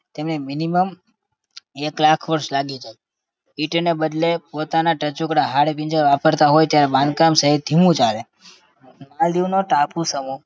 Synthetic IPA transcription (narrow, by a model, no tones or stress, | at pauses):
t̪emneminiməm | eklakʰʋəɾʃlaɡit͡ʃʰe | iʈnebəd̪lepot̪anaʈət͡ʃukɽaɦaɽepĩɲd͡ʒəɾʋapəɾt̪aɦojt̪jaɾebãnd̪̚kamsəɦit̪̚d̪ʱimũt͡ʃale | mald̪iʋnoʈapusəmu